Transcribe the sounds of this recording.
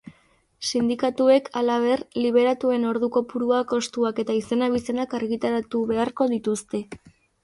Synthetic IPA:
sind̪ikat̪ue̞kʰalaβ̞e̞rliβ̞e̞ɾat̪ue̞no̞ɾðuko̞puɾuako̞st̪uake̞t̪aise̞naβ̞ise̞nakaɾɣit̪aɾat̪uβe̞aɾko̞ðit̪ust̪e̞

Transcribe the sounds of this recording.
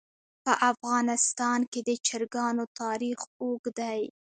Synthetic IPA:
pəʔafɣɑnɪst̪ɑnked̪ət͡ʃɪɾɡɑnot̪ɑɾixoɡd̪aj

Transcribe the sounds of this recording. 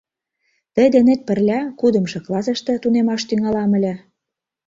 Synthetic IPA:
t̪ə̆jd̪enet̪̚pə̆rlʲækud̪ə̆mʃɤ̆klɑsɤ̆ʃt̪ɤ̆t̪unemɑʃt̪yŋɑlɑmə̆lʲĕ

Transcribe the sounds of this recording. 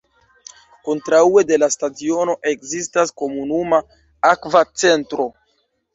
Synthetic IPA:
kontɾaue̞de̞lastat͡sio̞no̞ʔe̞kzistasko̞munuma | akvat͡se̞ntɾo̞

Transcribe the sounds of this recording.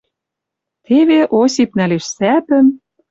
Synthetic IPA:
t̪eβeʔosipnæleʃsæt̪ə̆n

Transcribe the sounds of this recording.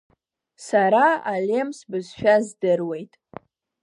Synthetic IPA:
saɾaalʲe̞msbɨzʃᶣazdɨrwe̞jtʼ

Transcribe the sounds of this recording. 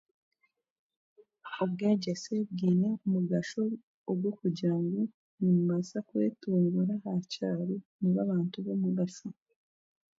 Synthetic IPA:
obɡeːɟeseb̚ɡiːneumuɡaʃoː | ɡwokuɟaːŋɡu | nimuβasakwe̞ːtuːŋɡuɾahacaːɾeniβaβaːntuβomuβasa

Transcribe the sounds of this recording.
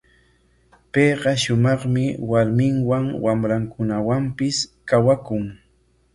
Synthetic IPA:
pejɢɑʃʊmɑχmɪwaɾmɪŋwaŋwamɾaŋkʊnawampɪskawakʊŋ

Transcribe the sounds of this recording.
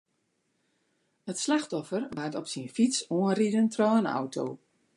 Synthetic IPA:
ətslaxtɔfərʋartɔpsinfisoənridəntrɔːənɔ̰wtʰo̰

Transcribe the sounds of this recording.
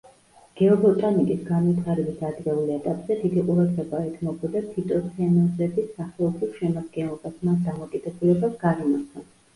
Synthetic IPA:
ɡ̥ɛɔbɔt̪ʼanikʼisɡanwit̪ʰaɾɛbisad̪ɾɛulɛt̪ʼapʼz̥ɛd̪id̪iqʼuɾad̪ʁɛbaɛt̪ʰmɔbɔd̪at̪ʰit̪ʼɔsʰɛnɔzɛbisaχɛlˠɔpʰiʃɛmaɾɡɛnɔbasmasd̪amɔkʼid̪ɛbulɛbasɡanimaɾt̪ʰa

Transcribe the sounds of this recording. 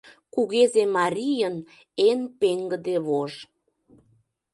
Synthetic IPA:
kuɣezemɑɾʲijən | enpeŋɡəd̪eβoʒ

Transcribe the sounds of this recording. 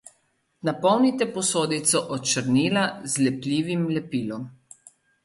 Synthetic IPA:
napɔwnit̪ɛpɔsoːd̪it̪sɔʔɔt͡ʃəɾniːlazlɛplʲiːʋimlɛpiːlɔm

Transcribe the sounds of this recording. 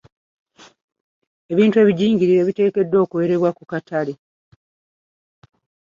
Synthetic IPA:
e̞βiːntue̞ːβiɟiːɲɟiɾiɾe̞ːβite̞ːke̞dːo̞ːkuwe̞ɾe̞βwakukatʰale̞

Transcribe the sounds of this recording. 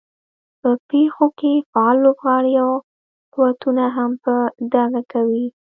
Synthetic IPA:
pəpexokefaɑlːobɣɑɽiaw | quwat̪unaɦampəd̪aɡakawi

